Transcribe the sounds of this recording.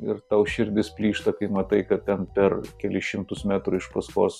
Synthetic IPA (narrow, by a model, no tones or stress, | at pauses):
ɪɾt̪ɐʊʃʲɪɾʲd̪ʲɪspʲlʲiːʃt̪ɐkɐɪmɐt̪ɐɪkɐt̪̚tʲɛnpʲɛrkʲɛlʲɪʃʲɪmt̪ʊsmʲæt̪ɾʊɪʃpɐskoːs